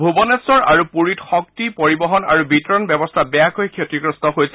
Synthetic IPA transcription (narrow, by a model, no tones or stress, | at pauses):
bʱubɔnɛsɔɹaɹupuɹitxɔktipoɹibɔɦɔna̰ɹubitɔɹɔnbjɛbɔstʰabɛjakojkʰjotɹiɡɹɔstɔɦojsɛ